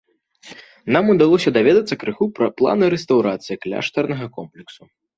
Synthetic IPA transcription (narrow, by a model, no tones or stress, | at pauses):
namud̪alˠɔsʲɐd̪avʲɛd̪ɐt̪sːɐkɾɨxupɾɐplˠa̰nɨɾɛst̪ɐwɾat̪sɨjiklʲa̰ʂt̪ɐrnɐɣɐkɔmplʲɛksu